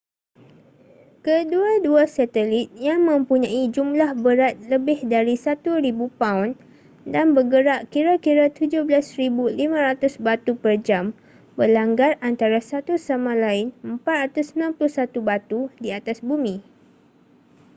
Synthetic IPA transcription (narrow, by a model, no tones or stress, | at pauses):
kəduaduasat̪əlit̪̚jaŋmə̃mpuɲãid͡ʒumlahbəɾat̪̚ləbɪhdaɾisat̪uɾibupawn | danbəɡəɾaʔkiɾakiɾat̪ud͡ʒʊhbəlasɾibulimãɾat̪ʊsbat̪upərd͡ʒam | bəlaŋɡarant̪aɾasat̪usamãlaɪnəmpat̪̚ɾat̪ʊsəmilãnplʊhsat̪ubat̪udiat̪asbumĩ